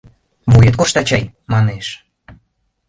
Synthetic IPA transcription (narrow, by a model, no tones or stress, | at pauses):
βujət̪koʃt̪ɑt͡ɕɑjmɑneʃ